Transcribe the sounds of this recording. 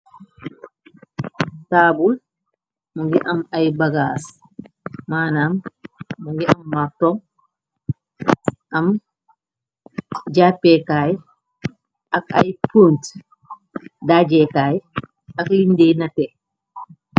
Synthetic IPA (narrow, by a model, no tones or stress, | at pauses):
taːbul | muŋɡiʔamajbaɡaːs | maːnaːmːuŋɡiʔamːak̚tɔŋ | ʔɐm | d͡ʒaːpːɛkaːj | ʔaka̰jpunt | daːd͡ʒɛkaːj | aklindenatɛ